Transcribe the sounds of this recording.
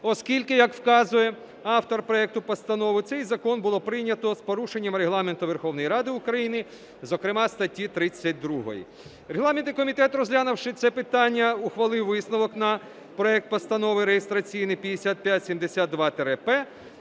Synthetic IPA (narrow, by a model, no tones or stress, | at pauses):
ɔskʲilʲkɪjɐkwkɑzʊjɛ | ɑwt̪ɔrpɾɔɛk̚t̪ʊpɔst̪ɐnɔʋɪt̪sɛjzɐkɔnbʊlˠɔpɾɪnʲɐt̪ɔspɔɾuʃenʲːɐmɾeɦlˠɑment̪ʊʋerxɔwnɔjɾɑd̪ɪʊkɾɐjinɪ | zɔkɾɪmɑst̪ɐtʲːit̪ɾɪt͡sʲːɐt̚ʲd̪ɾuɦɔ̰jḭ | ɾeɦlˠɑment̪ɪkɔmʲit̪ɛt̪rɔzʲɦlʲanɐwʃɪt̪sɛpɪt̪ɑnʲːɐʊxʋɐlˠɪwʋɪsnɔʋɔknɐ | pɾɔɛk̚t̪̚pɔst̪ɐnɔʋɪɾejest̪ɾɐt͡sʲijnɪpʲɐj̪esʲat̪̚pʲjatʲsʲimd̪esʲat̪̚d̪ʋɑt̪eɾepɛ